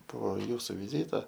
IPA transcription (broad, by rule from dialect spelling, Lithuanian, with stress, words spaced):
poː ˈjuːsʊ ʋʲɪˈzʲiːtɐ